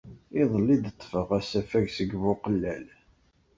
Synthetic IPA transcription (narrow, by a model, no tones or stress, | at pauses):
ɪðˤəlːid̪ət̪ˤːfəʁæsæfæʝsəɡvʊqəlːæl